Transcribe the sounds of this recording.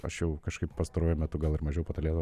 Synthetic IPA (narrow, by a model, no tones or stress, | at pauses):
ɐ̰ʃjɛʊkɐʃkɐɪppɐst̪ɐɾoɔjʊmʲɛt̪ʊɡɐlˠɪɾmɐʒʲɛjʊpɐt̪ɐlʲeːd̪ʋ